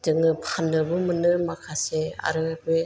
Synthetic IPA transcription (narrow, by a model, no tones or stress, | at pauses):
dɯŋɯpʰanːɯbɯmɯnɯmakʰasea̰ɾɯbe